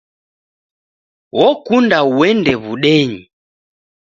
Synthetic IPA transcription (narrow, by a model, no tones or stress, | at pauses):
wɔkundauwɛndɛβuɗɛɲi